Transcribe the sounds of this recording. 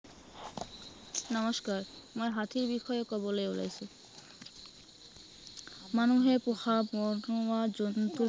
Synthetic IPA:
nɔmɔskaɹmojɦat̪ʰiɹbixɔjokɔbolojula̰jsu | manuɦepoxabɔnɔwad͡ʑɔnt̪u

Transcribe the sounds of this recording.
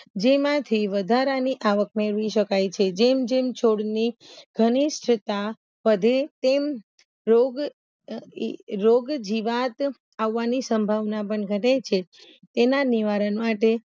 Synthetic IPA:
d͡ʒemãt̪ʰiʋəd̪ʱaɾaniʔaʋək̚meɾʋiʃəkajt͡ʃʰed͡ʒemd͡ʒemt͡ʃʰoɽniɡʱənisʈʰət̪a | pəd̪ʱet̪em | ɾoɡ | ɾoɡd͡ʒiʋat̪ | aʋːanisəmbʱaʋnap̬əɳɡʱənet͡ʃʰe | t̪enaniʋaɾənmaʈe

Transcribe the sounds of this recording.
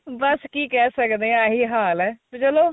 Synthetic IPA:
bəskiːkɛːsəkd̪eːɛ̃ɦiːɦaːlɛːt͡ʃəloː

